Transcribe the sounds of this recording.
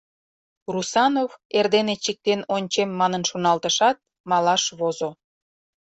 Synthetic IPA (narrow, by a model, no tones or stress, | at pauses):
rusɑnoverd̪enet͡ɕik̚t̪enonʲt͡ɕemːɑnənʃonɑlˠt̪əʃɑt̪̚ | mɑlɑʃβozo